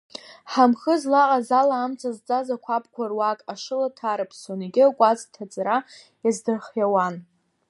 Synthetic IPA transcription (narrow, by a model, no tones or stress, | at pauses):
ħamχəzlaqʼazalaːmt͡sʼazt͡sʼazakʷʰapʰkʷʰarwakʼaʂɨlatʰaɾapʰswaneɡʲɪakʷʼazʼtʰat͡sʼaɾa | jazdɨrχjawan